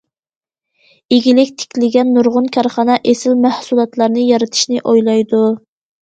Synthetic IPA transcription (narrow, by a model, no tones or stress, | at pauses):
eɡʲilɪkʲt̪ʰɪ̥kʲʰlɪɡʲɛnːuɾʁʊnkʲʰɑɾχɑnɑʔesɪlmæhsulˠɑt̪lˠɑɾnɨjɑɾɨt̪ʰɪ̥ʃnɪʔojlˠɑjd̪u